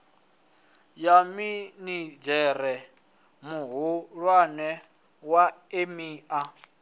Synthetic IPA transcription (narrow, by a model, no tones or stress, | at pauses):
jaminid͡ʒɛɾɛ | muɦuɺwanɛ | waemiːʔa